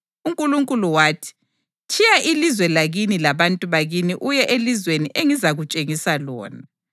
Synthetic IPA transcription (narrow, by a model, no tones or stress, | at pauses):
uŋkʼuluŋkʼuluwaːtʰi̥ | t͡ʃʰijaʔilizwɛlaɣinilaβantʼuβaɣiniʔujɛʔelizweniʔeŋizaɣut͡ʃʼeŋisalɔ̰ːna